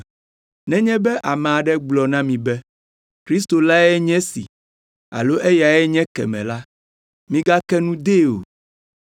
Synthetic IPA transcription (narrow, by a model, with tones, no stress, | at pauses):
nɛ̃˦ɲɛ̃˦bɛ˦ʔa˨mɛ̃˨a˨ɖɛ˦ɡ͡blɔ˨nã˦mĩ˨bɛ˦ | kɾi˦st̪o˨la˦ɛ˦ɲɛ̃˦sḭ˨ | a̰˨lo˦ʔe˦ja˨ɛ˦ɲɛ̃˦kɛ̰˨mɛ̃˨la˦ | mĩ˦ɡa˦kɛ˦nũ˦d̪e˦o̰˨